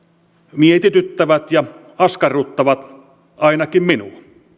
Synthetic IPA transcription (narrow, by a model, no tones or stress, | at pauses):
miet̪it̪yt̪ːæʋæt̪jɑ | ɑskɑrut̪ːɑʋɑt̪ | ɑˑenɑkimminuɑ